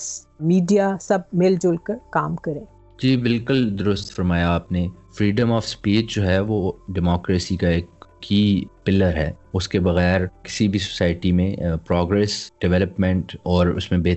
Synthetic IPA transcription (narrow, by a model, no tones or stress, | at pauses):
smiːɖijasɐb̚mɪld͡ʒʊlkəɾkaːmkɐɾẽː | d͡ʒiːbɪlkʊld̪ʊɾʊst̪fɐɾmaːjaːpnefɾiːɖəmɔːfspiːd͡ʒd͡ʒoːɦɛʋoːɖɪmɔːkɾeːsikaeːkːiːpɪlːəɾɦɛːʊskebɐɣɛːɾkɪ̥sibʱiso̥saːɪʈimẽpɾɔːɡɾɛːsɖ̥ɪʋɛːləpmɛ̃ɳʈɔːɾʊ̰smẽbeː